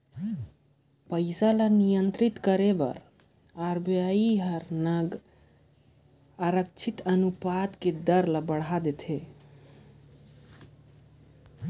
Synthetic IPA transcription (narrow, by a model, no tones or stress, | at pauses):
pəɪsalanijənt̪ɾit̪kəɾebə̰ɾ | aɾbjaiɦəɾnəɡ | aɾək̚t͡ʃʰit̪ənupat̪ked̪əɾlabəɽad̪et̪ʰe